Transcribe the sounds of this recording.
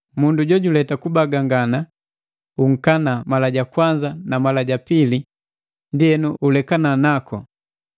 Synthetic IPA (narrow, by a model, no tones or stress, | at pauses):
munduɟɔɟulɛtakubaɡaŋɡana | uŋ̩kanamalaɟakwaɲd͡ʒanamalaɟapili | ndiɛnuʔulɛkananakʰɔ